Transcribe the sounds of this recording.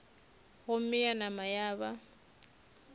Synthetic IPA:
ɣʊm̩mɪjanamajaːβa

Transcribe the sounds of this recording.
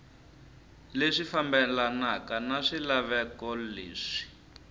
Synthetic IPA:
leʂifambɛlanakanaʂilaβɛkɔlḛːʂi̥

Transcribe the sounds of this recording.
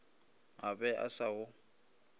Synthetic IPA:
abɛʔa̰saʊ

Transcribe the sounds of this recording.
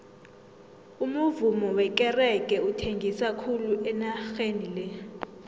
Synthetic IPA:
umuvumɔwɛk̬ʼɛrɛk̬ʼɛutʰeŋɡʱisakʰuluʔɛnaxenilɛ

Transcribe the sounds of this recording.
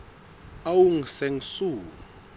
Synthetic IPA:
awuŋ̩sɛŋ̩suː

